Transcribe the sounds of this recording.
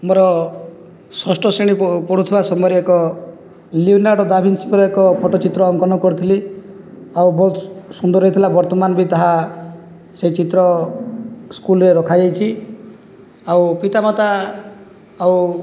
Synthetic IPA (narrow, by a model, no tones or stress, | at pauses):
mɔɾɔ | sɔsʈɔseɽ̃ipɔɽ̤ut̪ʰibasɔmɔɾiekɔ | liunaɽɔd̪abʱinsiŋkɔɾɔekɔpʰɔʈɔt͡ʃit̪ɾɔːŋkɔnɔkɔɾit̪ʰili | awbɔɦut̪sund̪ɔɾɦɔɦit̪ʰilabɔɾt̪ɔmanbʱit̪aɦa | set͡ʃit̪ɾɔ | skulɾeɾɔkʰad͡ʒajt͡ʃʰi | awpit̪amɔt̪aː | w